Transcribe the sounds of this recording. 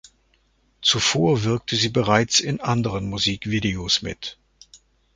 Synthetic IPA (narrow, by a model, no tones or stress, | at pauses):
t͡sufoːɐvɪɐk̚tʰəziːbəʁaɪt͡sɪnʔandəʁənmuziːkv̥iːdeosmɪ̰t